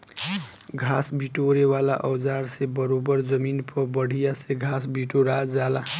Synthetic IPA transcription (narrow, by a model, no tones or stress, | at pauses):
ɡʱasbiʈoɾewala̰ʔʌwd͡zaɾsebʌɾobʌɾd͡zʌminpʰʌbʌɽ̤ʱijaseɡʱasbiʈoɾad͡zala